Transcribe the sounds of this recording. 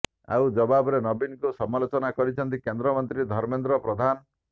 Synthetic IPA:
a̰wd͡ʒɔbabɔɾenɔbinkusɔmalot͡ʃɔnakɔɾit͡ʃʰɔnt̪ikend̪ɾɔmɔnt̪ɾid̪ʱɔɾmend̪ɾɔpɾɔd̪ʱan

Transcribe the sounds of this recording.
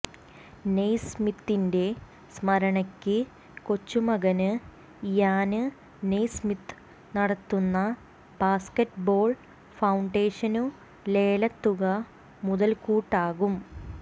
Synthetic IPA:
nejsmit̪ːinde̞ | smɐɾɐɳɐkʲːɨ | ko̞t͡ɕːumɐɣɐnɨ | jaːnɨ | nejsmit̪ːɨ | nɐɽɐt̪ːunːɐ | b̥aːskɐʈbo̞ːɭ | fɐwɳɖeːʂɐnu | le̞ːlɐt̪ːuɣɐ | muðɐlkuːʈːaːɣum

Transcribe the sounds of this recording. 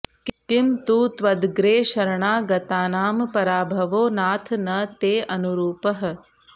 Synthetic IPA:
kit̪imt̪uːt̪ʋɐd̪ɡɾeːʃɐɾɐɳaːɡɐt̪aːnaːmpɐɾaːbʱɐʋoːnaːt̪ʰnɐt̪eːʔɐnuɾuːpɐɦɐ̆

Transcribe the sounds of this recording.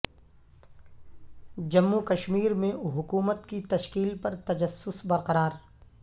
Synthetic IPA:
d͡ʒɐmːukɐʃmiːɾmẽɦʊkuːmət̪kit̪ɐʃkiːlpɐɾt̪ɐd͡ʒəsːʊsbɐɾqɐɾaːɾ

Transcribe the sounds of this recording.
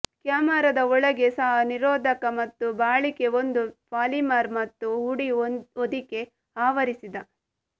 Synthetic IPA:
kjaːmaɾɐd̪ɐɔɭɐɡe̞sɐɦɐniɾoːd̪ʱɐkɐmɐt̪ːubaːɭike̞ond̪upaːlimaːɾmɐt̪ːuɦuɽiod̪ike̞ | aːʋɐɾisid̪ɐ

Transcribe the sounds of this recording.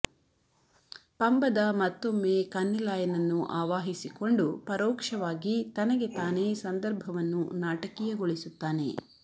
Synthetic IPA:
pɐmbɐd̪ɐmɐt̪ːo̞mːe̞kɐnːilaːjɐnɐnːuʔaːʋaːɦisiko̞ɳɖupɐɾɔːkʂɐʋaːɡit̪ɐnɐɡe̞t̪aːneːsɐnd̪ɐɾbʱɐʋɐnːunaːʈɐkijɐɡoɭisut̪ːaːne̞̰

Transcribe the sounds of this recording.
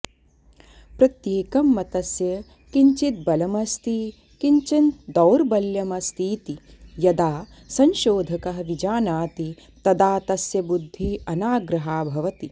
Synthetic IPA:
pɾɐt̪jeːkɐmːɐt̪ɐsjɐ | kiɲt͡ʃit̪̚bɐlɐmɐst̪ʰi | kiɲt͡ʃɐnd̪ɐwɾbɐljɐmɐst̪ʰiːt̪ijɐd̪aː | sɐnʃoːd̪ʱɐkɐɦɐ̆ʋid͡ʒaːnaːt̪i | t̪ɐd̪aːt̪ɐsjɐbud̪ʱːiɐnaːɡɾɐɦaːbʱɐʋɐt̪i

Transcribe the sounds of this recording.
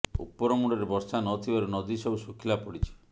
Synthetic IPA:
ṵpːɔɾɔmuɽɔɾebɔɾsanɔt̪ʰibaɾenɔd̪isɔbusukʰilapɔɽit͡ʃʰi̥

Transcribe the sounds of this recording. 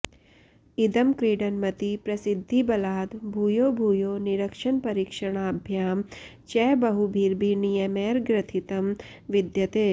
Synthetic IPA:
id̪əmkɾiːɖənmət̪ipɾɐsɪd̪ʱːibɐlaːd̪bʱujobʱujoniɾəkʃənpɐɾikʃəɳ̃aɐbʱjaːm | t͡ʃɛbəɦubʱiɾbʱinijəmeɾɡɾɪt̪ʰit̪əm | ʋɪd̪jət̪eː

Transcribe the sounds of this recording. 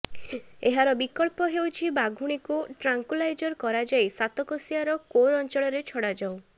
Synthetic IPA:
eɦaɾɔbikɔɭpɔɦewt͡ʃʰibaɡʱuɽ̃ikuʈɾaŋkulajd͡ʒɔɾkɔɾad͡ʒajsat̪ɔkɔsijaɾɔkoɾɔnt͡ʃɔɭɔɾet͡ʃʰɔɽad͡ʒaw

